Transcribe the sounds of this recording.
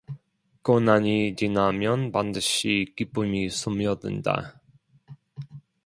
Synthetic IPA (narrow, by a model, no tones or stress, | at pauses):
konaɲit͡ɕinamjʌnpandɯɕikip͈umisʰumjʌdɯ̰nda̰